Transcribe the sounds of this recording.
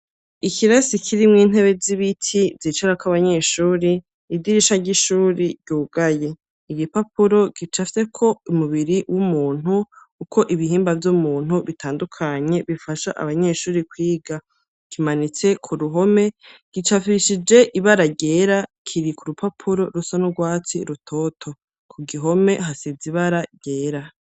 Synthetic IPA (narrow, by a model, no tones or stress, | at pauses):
ikʰiɾasikʰiɾimŋiːn̥ɦe̞βe̞ziβitʰivit͡ʃaɾakaβaɲe̞ʃuːɾi | idiɾiʃaɟiʃuːɾiɟɟuːɡaje | iɡipapuɾo̞ɡ̥it͡ʃafi̥se̞kʰo̞umuβiɾiwʔumuːn̥hukukʰo̞ʔiβiɦiːmbavjumuːn̥huβitʰaːndukʰaɲe̞βifaʃaʔa̰βaɲe̞ʃuːɾikwiːɡa | kimanit͡se̞kʰuɾuɦo̞me̞ɡ̥it͡ʃafiʃid͡ʒe̞ʔiβaɾaɟe̞ːɾakʰiɾikuɾupʰapʰuɾo̞ɾusanuɡwaːt͡siɾutʰo̞tʰo̞ | kʰuɡiɦo̞me̞ɦasiziβaɾaɟe̞ːɾa